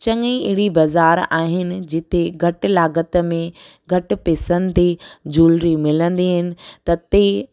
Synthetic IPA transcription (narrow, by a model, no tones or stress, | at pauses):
t͡ɕɐ̃ŋĩɪɦɪɽibɐzaːɾaːɦɪnɪ̆d͡ʑɪt̪eɡʱɐʈ̆laːɡət̪mẽ | ɡʱɐʈ̆peːsə̃nt̪ed͡ʑuːlɾimɪlə̃nd̪iɦɪnɪ̆t̪ɐt̪e